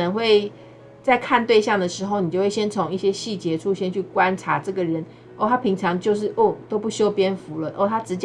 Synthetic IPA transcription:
nə˧˦ŋxwe˥˧ɪ | t͡sa˥˧ɪkʰa˥˧nt̪we˥˧ɪɕjɑ˥˩ŋd̪ə˩ʂɻ̩˧˥xo˥˧ʊni˨˩t͡ɕjo˥˧we˥˩ɕjɛ˦˥nt͡sʰʊ˧˥ŋi˥˩ɕjɛ˥ɕi˥˩t͡ɕjɛ˧˥ʈ͡ʂʰu˥ɕjɛ˥nt͡ɕʰy˥˩kwa˦˥nʈ͡ʂʰa˧˥ʈ͡ʂɤ˥˩ɡə˩ɻə˧˦n | o˥˩t̪ʰa˦˥pʰi˧˥ŋʈ͡ʂʰɑ˧˦ŋt͡ɕjo˥˧ʊʂ̬ɻ̩˥˩ʔo˥˩t̪o˥ʊpu˥˩ɕjo˥ʊpjɛ˥nfu˨˥lə˨ʔo˥˩t̪ʰa˥ʈ͡ʂɻ̩˧˥t͡ɕ

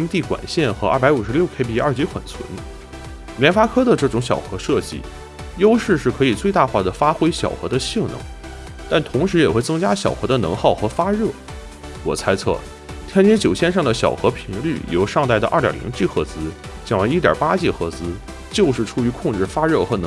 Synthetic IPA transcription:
i˥ŋt̪i˥˩kwa̰˨˩nɕjɛ˥˩nxɤ˧˥a̰˞˥˩pa˧˥ɪu˨˩ʂɻ̩˧˥ljo˥˩ʊkʰe˥pi˥˧ɐ˞˥˩t͡ɕi˧˥xwə̰˨˩nt͡sʰwə̰˧˥n | ljɛ˧˥nfa˥kʰɤ˥d̪ə˨ʈ͡ʂɤ˥˩ʈ͡ʂʊ˧˥ŋɕjɑ˨˩ʊxɤ˧˥ʂɤ˥˧t͡ɕḭ˥˩ | jo˥ʊʂɻ̩˥˧ʂɻ̩˥˩kʰɤ˧˥i˨˩t͡swe˥˧ɪt̪a˥˧xwa˥˩d̪ə˩fa˥xwe˥ɪɕjɑ˨˩ʊxɤ̰˧˥d̪ə˧ɕi˥˩ŋnɤ̰˧˥ŋ | t̪a˥˩nt̪ʰʊ˧˥ŋʂɻ̩˧˥jɛ˨˩xwe˥˩ɪt͡sɤ˥ŋt͡ɕja˥ɕjɑ˨˩ʊxɤ˧˥d̪ə˧nɤ̰˧˥ŋxɑ˥˩ʊxɤ˧˥fa˥ɻɤ˥˩ | wɔ̰˨˩t͡sʰa˥ɪt͡sʰɤ̰˥˩ | t̪ʰjɛ˥nt͡ɕɛ˧˥t͡ɕjo˨˩ʊɕjɛ˥˧nʂ̬ɑ˥˩ŋd̪ə˩ɕjɑ̰˨˩ʊxɤ˧˥pʰi˧˥ŋly̰˥˩jo̰˧˥ʊʂɑ˥˧ŋt̪a˥˩ɪdə˩ʔɐ̰˞˥˩t̪ʲjɑ̰˨˩lḭ˧˥ŋt͡ɕi˥˩xɤ˧˥t͡sɹ̩˥t͡ɕɑ˧˩ŋwa˧˥ni˥t̪jɐ̰˨˩pa˥t͡ɕi˥˩xɤ˧˥t͡sɹ̩˥ | t͡ɕjo˥˧ʊʂɻ̩˥˩ʈ͡ʂʰu˧˥y˧˥kʰʊ˥˧ŋʈ͡ʂɻ̩˥˩fa˥ɻɤ˥˩xɤ˧˥nɤ˧

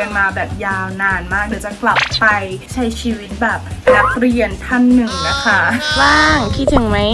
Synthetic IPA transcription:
a˧nmaː˧bɛː˨˩p̚jaː˧wnaː˧nmaː˥˩k̚di˧˩˦t͡ɕa˨˩kla˨˩pːa˧jt͡ɕʰa˦˥jt͡ɕʰiː˧wi˦˥t̪̚bɛː˨˩p̚la˨˦˥k̚ɾi˧ənt̪ʰa˥˩nːɯ˨˩ŋna˦˥˩kʰa˦˥˩waː˥˩ŋkʰi˦˥t̪ʰːɯ˨˩˦ŋma˦˥j

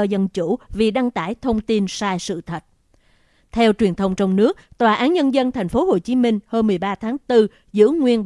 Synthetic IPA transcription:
ɔ˧zə˧nt͡ɕu˧˩vi˨˩ɗa˧ŋt̪aː˧˩jt̪ʰə˧wŋ͡mt̪i˧nsaː˧jsɨ̰˧˨t̪ʰə˨˩t̚ | t̪ʰɛ˧wt͡ɕwi˨˩ənt̪ʰə˧wŋ͡mt͡ɕɔ˧wŋ͡mnɨ˦˥ək̚t̪waː˨˩ʔaː˨˦nɲə˧nzə˧nt̪ʰɛ˨˩jŋ̟fo˨˦ho˨˩t͡ɕi˨˦mï˧ŋ̟ho˧mɨ˨˩əjɓaː˧t̪ʰaː˨˦ŋt̪ɨ˧ | zɨ̰˧˥ŋwi˧ən

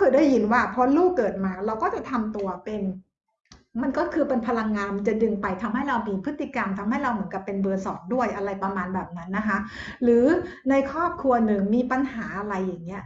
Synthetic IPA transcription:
kʰɯː˧˩daː˥˩jːi˧nwaː˥˩pʰɔ˦˥luː˥˩kːɤː˨˩t̪̚maː˧ɾa˧wkɔː˥˩t͡ɕa˨˩t̪ʰa˧mt̪u˧ɐpe˧n | ma˧nkɔː˥˩kʰɯː˧pe˧npʰa˧la˧ŋːaː˧mt͡ɕa˨˩dɯ˧ŋpa˧jt̪ʰa˧mha˥˩jɾa˧wmiː˧pʰɯ˦˥t̪ːi˨˩ka˧mt̪ʰa˧mha˥˩jɾa˧wmɯ˩˦ənka˨˩pːe˧nbɤː˧sɔ̰ː˩˦ndu˥˩əjʔa˧ɾa˧jpɾa˧maː˧nbɛː˨˩p̚na˦˥nːa˦˥kʰa˦˥ʔɾɯː˩˦ | na˧jkʰɾɔː˥˩p̚kʰɾu˧ɐnɯ˨˩ŋmiː˧pa˧nhaː˩˦ʔa˧ɾa˧jːa˨˩ŋːi˦˥ɐ

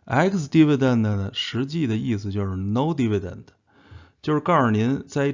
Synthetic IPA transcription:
a˥ɪksd̪i˥ʋi˧˩də˨˩nd̪ə˩nə˩ʂɻ̩˧˥t͡ɕi˥˧d̪ə˩i˥˩s̩˩t͡ɕjo˥˧ʊʂɻ̩˥˩no˥ʊd̪i˥ʋi˨˩də̰˨˩nd | t͡ɕjo˥˧ʊʂɻ̩˧kɑ˥˩ə˞˨˩njɛ˧˥nt͡sa˥˧ɪ˥

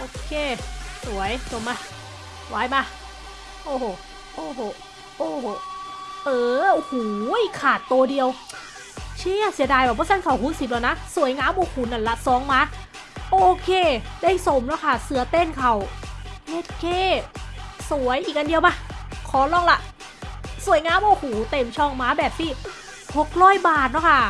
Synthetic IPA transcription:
ʔoː˧˩kʰeː˧˩su˨˩˦ɐjso˨˧˩mːaː˧˩˧ | waː˨˦jmaː˧˩ | ʔoː˧˩hoː˨˩ | ʔoː˧˩ɦoː˨˩ | ʔoː˧˩ho˨˩ʔɤː˧ʔoː˧huː˨˩jkʰaː˨˩t̪ːoː˧di˧ə˧w | t͡ɕʰi˧˥˩a˨˩si˨˦daː˧jbaː˧˩bʰɔː˧˦sa˧˥˨nkʰa˧˩whuː˨˦nsi˨˧˩p̚lɛː˧˩˧na˦˥su˨˩˦jŋaː˧˥mbɔː˧˦kʰu˨˩˨nːa˧˩nla˧sɔː˨˦ŋmaː˧˥˨ | ʔoː˧kʰeː˧˩daː˥˩jso˨˩mlɛː˦˥˩kʰa˥˩sɯ˨˩˦ɐt̪eː˧˥˩nkʰa˧˩wle˦˧˥t̪̚kʰeː˧˥˩ | su˨˩˦əjʔiː˨˩k̚ʔa˧ndi˧ə˧wma˧˩kʰɔː˨˦lɔː˧˥˩ŋla˧ʔ | su˨˩˦əjŋaː˧˥mbɔː˧˩kuː˨˩˦t̪e˧˩mt͡ɕʰɔ˧˩ŋmaː˦˥bɛː˨˩p̚t̪ʰiː˥˩ | ho˨˩k̚ɾɔː˥˩jbaː˨˩t̪̚nɔ˦˥˦kʰa˥˩

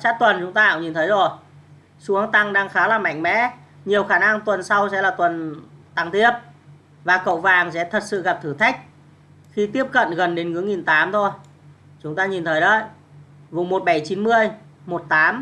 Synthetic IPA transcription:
t͡ɕaː˦˥t̪wə˨˩nt͡ɕʊ˨˦ŋ͡mt̪aː˧aː˧˨wɲi˨˩nt̪ʰə˨˦jzo˨˩j | su˨˦əŋt̪a˧ŋɗaː˧ŋxaː˨˦laː˨˩ma̰˧˨jŋ̟mɛ̰˧˥ | ɲi˨˩əwxaː˧˩na˧ŋt̪wə˨˩nsa˧wsɛ̰˧˥laː˨˩t̪wə˨˩nt̪a˧ŋt̪i˦˥əp̚ | vaː˨˩kə̰˧˨wvaː˨˩ŋsɛ̰˧˥t̪ʰə˨˩t̚sɨ̰˧˨ɣa˨˩p̚t̪ʰɨ˧˩t̪ʰa˦˥jk̟̚ | xi˧t̪i˦˥əp̚kə̰˧˨nɣə˨˩nɗe˨˦nŋɨ˨˦əŋi˨˩nt̪aː˨˦mt̪ʰo˧j | t͡ɕʊ˨˦ŋ͡mt̪aː˧ɲi˨˩nt̪ʰəː˨˦jɗə˧˩j | vʊ̰˨˩˨ŋ͡mmo˨˩t̚ɓa˧˩jt͡ɕi˨˦nmɨ˧əjmo˨˩t̚t̪aː˨˦m

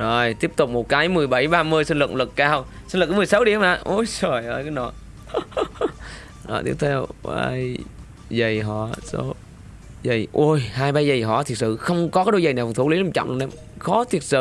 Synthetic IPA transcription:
zo˨˩jt̪i˦˥əp̚t̪ʊ˨˩k͡p̚mo˨˩t̚kaː˨˦jmɨ˨˩əjɓə˧˩jɓaː˧mɨ˧əjsə˧nlɨ̰˨˩k̚lɨ˨˩kkaː˧w | sə˧nlkːm˨˩jsa˨˦wɗi˧˩ə˦ma̰ː˧˨˩ʔu˧˩jsɔ˨˩ja˧jka˨˦nɔ˧˩˦ | nɔ̰˧˨˩t̪i˦˥p̚t̪ʰɛ˧wɓaː˧j | zə˨˩jɦɔ̰˧˨so˨˦ | zə˨˩jʔo˧˩jhaː˧jɓaː˧jzə˨˩jɦɔ̰˧˨t̪ʰi˨˩ət̚sɨ̰˧˨xə˧wŋ͡mkɔ˨˦kaː˨˦ɗo˧jzə˨˩jnaː˨˩wkt̪ʰu˧˩˦li˨˦lt͡ɕɔ̰˧˨ŋ͡mʔnɗe˧ | xɔ˨˦t̪ʰi˨˩ət̚sɨ̰˧˨

